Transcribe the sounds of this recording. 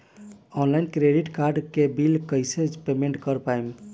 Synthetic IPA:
ɔnlainkɾeɖiʈkaɾɖkebilkəjsed͡ʒpemẽɳʈkəɾpajm

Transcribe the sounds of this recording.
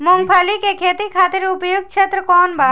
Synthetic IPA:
moŋpʰalikekʰet̪ikʰat̪eɾupojoɡ̚t͡ʃʰet̪ːɾokɔnba

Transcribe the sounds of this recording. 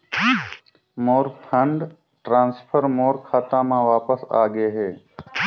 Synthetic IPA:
moːɾpʰəɳɖ | ʈɾãːnspʰəɾmoːɾkʰaːt̪ãːmãːʋaːpəsa̰ːɡeːɦeː

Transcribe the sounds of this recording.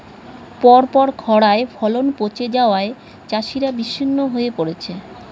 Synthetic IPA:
pɔɾpɔɾkʰɔɽaefʰɔlonpot͡ɕed͡ʑaoae | t͡ɕaʃiɾabiʃːinːoɦoepoɾet͡ɕʰe

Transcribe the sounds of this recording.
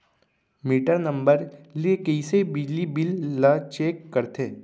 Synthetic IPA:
miːʈəɾnə̃mbəɾliekɐisebɪd͡ʒlibɪlːat͡ʃeːkːɐɾt̪ʰeː

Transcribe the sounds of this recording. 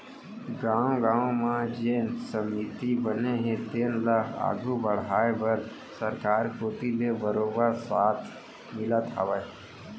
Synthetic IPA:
ɡãːõɡãːõmãd͡ʒeːnsəmit̪ibəneɦẽt̪eːnlakʰa̰ːɡʱubəɽ̤ɦaːebəɾ | səɾkaːɾkoːt̪ilebəɾoːbəɾsaːt̪ʰ | mɪlət̪ɦa̰ʋə

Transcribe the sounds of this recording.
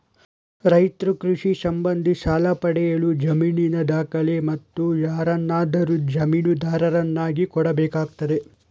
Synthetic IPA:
ɾɐjt̪ɾukɾuʂisɐmbɐnd̪ʱiʃaːlɐpɐɽɛjɐɭud͡ʒɐmiːninɐd̪aːkɐlemɐt̪ːujaːɾɐnːaːd̪ɐɾud͡ʒɐmiːnud̪aːɾɐɾɐnːaːɡikɔɽɐbɛːkaːɡ̚t̪ɐd̪e̞

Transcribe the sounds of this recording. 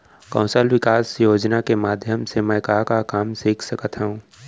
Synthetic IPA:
kɐ̃ʊ̃səlwɪkaːsjoːd͡ʒnakemaːd̪ʱjəmsemɛ̃ːkakakaːmsiːkʰsəkət̪ɦɛũː

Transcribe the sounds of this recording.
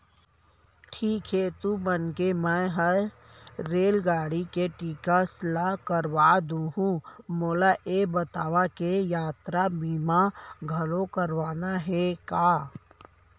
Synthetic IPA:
ʈʰiːkɦet̪ubənkemɛ̃ɦə | ɾeːlɡaːɽikeʈiːkaslakəɾʋaːd̪ũɦũmoːlaʔebət̪aːwakejaːt̪ɾabiːmaɡʱəlokəɾʋaːnaɦɛkaː

